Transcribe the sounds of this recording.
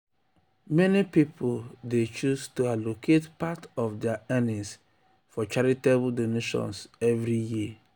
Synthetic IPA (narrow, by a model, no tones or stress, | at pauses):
mɛnipipʰʊldet͡ʃustualokʰetpatɔfdɛaɛnĩs | fɔt͡ʃaɾitebldoneʃɔ̰̃nsɛvɾiji